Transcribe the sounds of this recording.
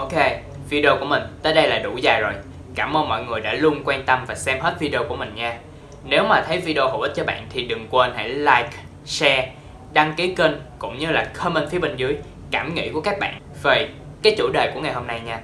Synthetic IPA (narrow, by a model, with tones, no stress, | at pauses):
ʔo˧ke˧ | vi˧ɗi˧o˧ku˧˩əmï˨˩ŋ̟t̪əː˨˦jɗə˧jlaː˨˩ɗu˧˩zaː˨˩jzo˨˩j | kaː˧˩mʔəː˧nmɔ̰˧˨jŋɨ˨˩əjɗa̰ː˧˥lu˧ənkwaː˧nt̪ə˧mvaː˨˩sɛ˧mhe˦˥t̚vi˧ɗi˧o˧ku˧˩əmï˨˩ŋ̟ɲaː˧ | ne˨˦wmaː˨˩t̪ʰə˨˦jvi˧ɗe˧o˧hə˨˩wʔi˦˥t̚t͡ɕɔ˧ɓa̰ː˧˨nt̪ʰi˨˩ɗɨ˨˩ŋkwə˧nha̰˧˩jlaː˧jk | sɛ˧ | ɗa˧ŋki˨˦ke˧nkʊ̰˧˨ŋ͡mɲɨ˧laː˨˩xʰə˧mə˧nfi˨˦əɓe˧nzɨ˨˦əj | kaː˧˩mŋḭ˧˥ku˧˩əkaː˦˥k̚ɓa̰ː˧˨nve˨˩kaː˨˦jt͡ɕṵ˧˩ɗəː˨˩jku˧˩əŋa˨˩jho˧mna˧jɲaː˧